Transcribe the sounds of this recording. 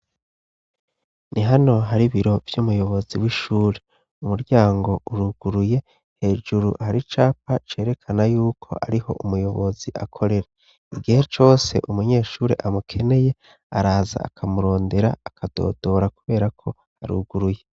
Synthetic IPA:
nʔiɦano̞ɦaɾiβiɾo̞vjumujo̞βo̞ziwiʃuːɾe | umuɾɟaːŋɡo̞ʔuɾuɡ̥uɾuje̞ | he̞ːʒuɾuhaɾit͡ʃaːpat͡ʃe̞ːɾe̞kʰanajuːkʰo̞̰ʔaɾiho̞ʔumujo̞βo̞ziʔakʰo̞ɾe̞ɾa | iɡihe̞t͡ʃo̞ːse̞̰ʔumuɲe̞ːʃuːɾe̞̰ʔamukʰe̞ne̞je̞ | aɾaːza̰ːkʰamuɾo̞ːnde̞ɾa̰ːkʰad̥o̞̰ːdo̞ɾakuβe̞ːɾakʰo̞ | haɾṵɡuɾuje̞

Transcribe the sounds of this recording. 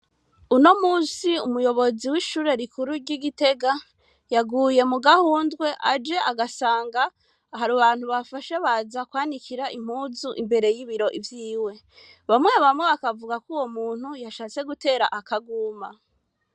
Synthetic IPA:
uno̞muːsiumujo̞βo̞ziwiʃuːɾe̞ɾikʰuɾuɾɟiɡite̞ɡa | jaɡuːje̞muɡahuːndɡwe̞ʔad͡ʒe̞aɡasaːŋɡaː | ɦaɾuβaːn̥huβafaʃe̞βaːzakwaːnikʰiɾaʔim̥huːzuʔimbe̞ɾe̞jiβiɾo̞ʔivjiːwe̞ | βamŋe̞βamŋeβakavuɡakuwo̞muːn̥hujaʃaːt͡se̞ɡute̞ːɾa̰ʔakaɡuma

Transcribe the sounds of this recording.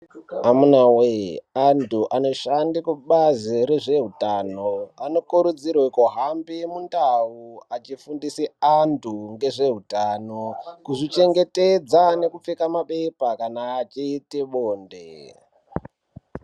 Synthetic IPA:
amunaweantʰuʔano̞ʃandikuɓaziɾe̞ʐe̞ɦutaːnoano̞kuɾud͡zirwekoɦambimundauat͡ʃifundisiantʰuŋɡe̞ʐe̞ɦutaːnokuʐit͡ʃe̞ŋɡe̞ted͡zane̞kup͡fekamaɓepakanaːt͡ʃiːtiɓoːndḛ

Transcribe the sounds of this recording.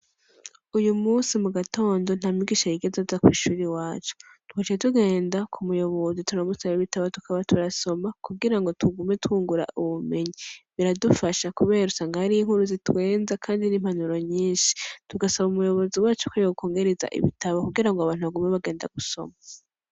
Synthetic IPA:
ujumuːnsimuɡato̞ːndo̞n̥hamiɡiʃajiɡe̞zazakwiːʃuːɾiwaːt͡ʃo̥ | tu̥hat͡ʃetuɡe̞ːndakʰumujo̞βo̞zituɾamusaβiβitaβatu̥kʰaβatʰuɾaso̞makuɡiɾaŋɡo̞tʰuɡume̞tuːŋɡuɾa̰ʔuβume̞ɲiβiɾadufaʃakuβe̞ːɾausaːŋɡahaɾiiŋhuɾuzitwe̞ːnzakʰaːndinimhanuɾoɲiːnʃi̥tuɡasaβumujo̞βo̞ziwaːt͡ʃu̥kojoukʰo̞ːŋɡe̞ɾeza̰ʔḭβḭtaβokuɡiɾaŋɡoaβaːn̥uβaɡumeβaɡe̞ːnda̰ɡ̥uso̞̰ma

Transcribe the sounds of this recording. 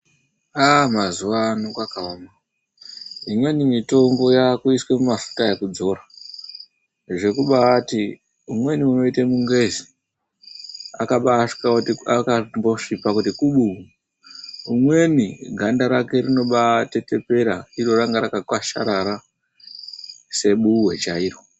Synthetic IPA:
amazuʋanokwakaama | imwe̞nimito̞mɡo̞jakuiswemumafu̥tajekud͡zo̞ɾa | ʐe̞kuɓaati | umwe̞niuno̞itemuŋɡe̞zi | akaɓa | akamboʂipakutikuɓu | umwe̞niɡʱandaɾake̞rino̞ɓate̞te̞pe̞ɾaiɾo̞raŋɡaɾakakwaʃaɾaɾa | se̞ɓuwe̞t͡ʃaiːɾo

